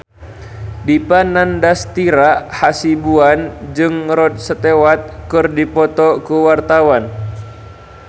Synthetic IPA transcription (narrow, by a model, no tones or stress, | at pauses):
dipanandast̪iɾahasibuand͡ʒɨŋrɔd̪̚sət̪ewat̪̚kɨrdipɔt̪ɔkuwart̪awan